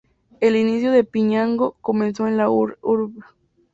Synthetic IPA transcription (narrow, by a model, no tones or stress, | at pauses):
elinisjoðe̞piɲaŋɡokomẽnsoenlauɾβa